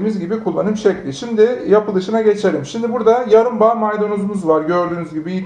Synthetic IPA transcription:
mizɟibikʰulˠːa̰nɯmʃɛclʲiʃimd̪ɪjapɯlˠɯʃɯnaɟe̞t͡ʃʰe̞ɾimʃimd̪ibuɾd̪ajaɾɯmbaːmajd̪onuzumuzvaɾɟøɾd̪yːnyzɟibii

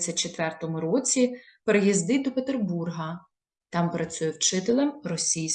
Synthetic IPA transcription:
t͡sʲːɐt͡ʃet̪ʋɛrt̪ɔmʊɾɔt͡sʲi | peɾejizd̪ɪd̪ɔpet̪erburɦɐ | t̪ɑmpɾɐt͡sʲujɛwt͡ʃɪt̪elˠɛmrɔsʲijʲ

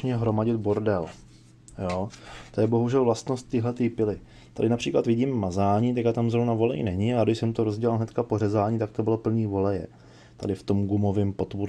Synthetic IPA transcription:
ɲɛɦɾo̞maɟɪt̪boɾdɛl | joːt̪ojɛbo̞ɦuʒɛlvlast̪nost̪ːɪɦlɛt̪iːpɪlɪ | t̪adɪnapr̝̥iːklat̪vɪɟiːmːazaːɲiːt̪akat̪amzɾovnavo̞lɛ̰jnɛɲɪaaɡdɪʃsɛmt̪oɾozɟɛlalɦnɛt̪kaporɛzaːɲiːt̪ak̚t̪o̞bɪlopl̩ɲiːvo̞lɛjɛ̰ | t̪adɪft̪o̞mɡumovɪmpo̞t̪vuɾ

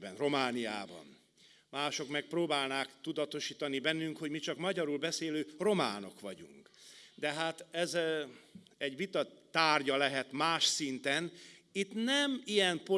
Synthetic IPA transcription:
bɛnro̞maːnija̰ːbɒ̰n | maːʃo̞kmɛk̚proːbaːlnaːkt̪ud̪ɒt̪o̞ʃiːt̪ɒnibɛnːyŋkhoɟmit͡ʃɒkmɒɟɒɾulbɛseːløːro̞ma̰ːno̞̰kʋɒɟṵŋkd̪ɛɦaːt̪ɛz | ɛɟʋit̪ɒt̪aːrɟɒlɛɦɛt̪maːʃsint̪ɛnit̪nɛmijɛnpo

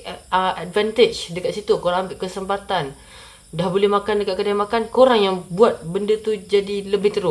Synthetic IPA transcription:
əʔad̚vɛnt̪et͡ʃdəkat̪̚sit̪ukoɾaŋambɪʔkəsəmpat̪an | dahbolɛhmakandəkat̪kədajmakankoɾaŋjaŋbuat̪̚bəndət̪ud͡ʒadiləbɪht̪əɾʊ

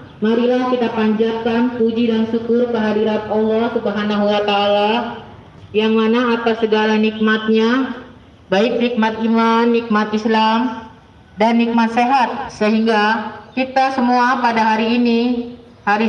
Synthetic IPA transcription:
maɾilahkit̪apaɲd͡ʒap̚kanpud͡ʒidansukʊrkəɦadiɾat̪olɔkəbaɦanaɦuwat̪ala | jaŋmanaːt̪asəɡalanik̚mat̪̚ɲa | baɪk̚nik̚mat̪imanːik̚mat̪islam | danːik̚mat̪seɦat̪̚səɦiŋɡakit̪asəmuapadaɦaɾiːni | haɾi

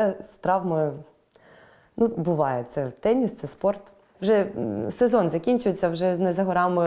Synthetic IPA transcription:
ɛst̪ɾɑʋmɪ | nubʊʋɑjɛt̪sɛt̪ɛnʲist̪sɛspɔrt̪ | ʋʒɛsezɔnzɐkʲinʲt͡ʃʊjet͡sʲːɐwʒɛznɛzɐɦɔɾɑmɪ

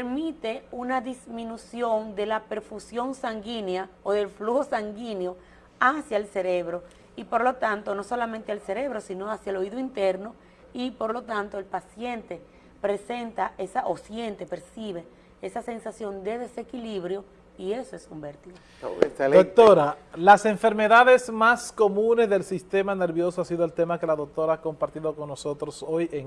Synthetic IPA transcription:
eɾmit̪e̞unaðismĩnusjo̞nd̪e̞lape̞ɾfusjo̞nsaŋɡinjaoðe̞lfluho̞saŋɡinjo̞ | asjaelse̞ɾe̞βɾo̞ | ipo̞ɾlo̞t̪ant̪o̞no̞so̞lamẽnt̪ealse̞ɾe̞βɾo̞sino̞asjaelo̞iðoint̪e̞ɾno̞ | ipo̞ɾlo̞t̪ant̪o̞e̞lpasje̞nt̪e̞ | pɾe̞se̞nt̪aesaʔo̞sje̞nt̪e̞pe̞ɾsiβe̞ | esase̞nsasjo̞nd̪e̞ðe̞se̞kiliβɾjo̞ | ie̞soe̞sumbeɾt̪iðo | ḛed̪ok̚t̪o̞ɾalase̞ɱfe̞ɾme̞ðaðe̞smasko̞mũne̞zðe̞lsist̪e̞mane̞ɾβjo̞soasiðo̞elt̪e̞make̞laðok̚t̪o̞ɾaako̞mpaɾt̪iðo̞ko̞ŋːo̞so̞t̪ɾo̞sojeŋ

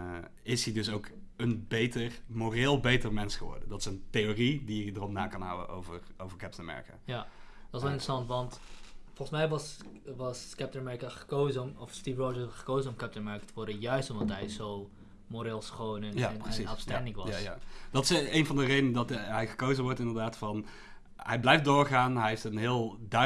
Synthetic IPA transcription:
ɪshidɵsowk | ənbejtərmoreːlˠbejtərmɛnsχəʋɔ̰ɹdəndɑtɪsəntejoridiədərɔpna̰ːkɑnɦa̰wə̰o̰wvərowvəɹkɛptənəmɛ̰ɹḭka̰ːja | d̥ɔtɪsʋɛlˠɪntrəsɑntʋɑntfɔlˠχəsmɛjʋɑsʋɑskɛp̚tənmɛɹikaχə̥koːzəmɔfstiːfrɔd͡ʒəχə̥koːzəɔmkɛp̚tənmɛɹkatəʋɔɹdəjœɥstɔmdɑtɦɛjzow | moɾeːlˠsχownənjanpsiafstɛndɪŋkʋɑsd̥ɑtɪsenvɑndərejdəndɑtɦɛjɣə̥kowzəʋɔɹtɪndəɹdaːtfɑn | ɦɛjblɛjfdʊːɹχaːnɦɛjftənɦɪːəlˠdœ

